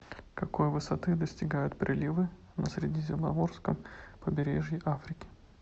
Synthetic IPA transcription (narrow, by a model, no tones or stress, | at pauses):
kɐko̞jvɨsɐt̪ɨd̪əsʲtʲɪɡajʊt̪pɾʲʔɪlʲivɨ | nəsʲɾʲɪdʲizʲɪmnɐ̰vo̞rskəmpəbʲɪɾʲeʐjɪʔafɾʲɪkʲɪ̥